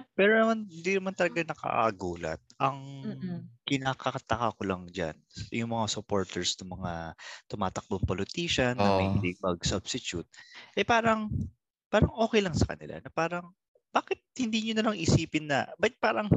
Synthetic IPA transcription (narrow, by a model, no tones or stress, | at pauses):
pɛːɾonɐmanhɪnd̪inɐmant̪ɐlɐɡanɐkɐ̰ʔʔɐɡuːlɐ̰t̪̚ɐŋ | kɪnaːkɐkɐt̪ɐkakolaŋd͡ʒa̰nsjʊŋmɐŋasʊpo̞ɹt̪ɛɹsnʊŋmɐŋat̪ʊmaːt̪ɐk̚boŋpolɪt̪iːʃɐnːɐmɐjd̪ɪɡ̚bɐɡsɐb̥sɪt͡ʃjut̪̚ʔɛpaːɾɐŋ | paːɾɐŋʔo̞ːkɛjlɐŋsɐkɐ̰nɪ̰lʔa̰nɐpaːɾɐŋ | b̥aːkɪt̪̚hɪnd̪iːɲʊnɐlaŋʔɪsiːpɪnːɐ̰bɐt̪̚paːɾɐŋ